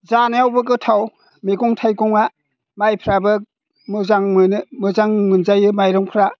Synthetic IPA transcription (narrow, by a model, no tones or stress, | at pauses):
zanaawbɯɡɯtʰaw | meɡɔŋtʰajɡɔŋa | majpʰɾabɯ | mɯzaŋmɯnɯmɯzaŋmɯnzajɯmajɾɯŋpʰɾa